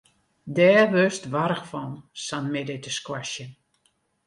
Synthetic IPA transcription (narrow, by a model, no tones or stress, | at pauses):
dɛːʋøstʋaɾəxfɔnsanmɪdɪtəskwaʃjə